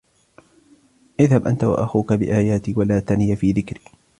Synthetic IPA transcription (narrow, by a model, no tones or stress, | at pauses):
ʔɪðhabʔant̪awa̰ʔaxuːkabɪ̰ʔaːjaːt̪iːwalaːt̪anɪjafiːðɪkɾiː